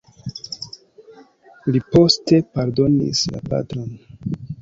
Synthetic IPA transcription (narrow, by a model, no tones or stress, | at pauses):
lipo̞ste̞paɾdo̞nḭsla̰pa̰tɾo̞n